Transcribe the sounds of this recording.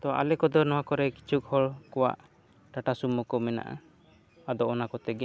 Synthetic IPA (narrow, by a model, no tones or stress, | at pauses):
t̪ɔa̰ʔalɛkɔd̪ɔnɔwakɔɾɛki̥t͡ʃʰuk̚hɔɭkɔwa̰ʔ | ʈaʈasumɔkɔmɛna̰ʔa̰ | ad̪ɔɔnakɔt̪ɛɡɛ